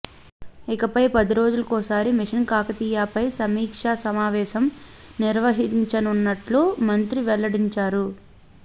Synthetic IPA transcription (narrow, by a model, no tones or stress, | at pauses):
ikɐpɐjpɐd̪iɾo̞ːd͡ʒulɐkɔːsaːɾimiʂɐnkaːkɐt̪iːjaːpɐjsɐmiːkʂaːsɐmaːʋɛːʃɐm | niɾʋɐɦiɲt͡ʃɐnunːɐʈloːmɐnt̪ɾiʋɛlːɐɽiɲt͡ʃaːɾu